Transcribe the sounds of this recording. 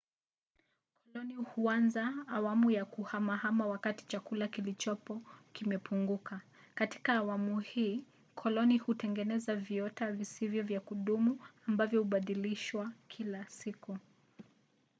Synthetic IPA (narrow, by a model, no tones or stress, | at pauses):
kɔlɔnihuanzaːwamujakuhamahamawakati̥t͡ʃakulakilit͡ʃɔpɔkimɛpʰuŋɡuka | kati̥kaːwamuhiː | kʰɔlɔnihutɛŋɡɛnɛzaviɔtavisivjɔvjakuɗumuambavjɔhuɓaɗiliʃwakʰilasiku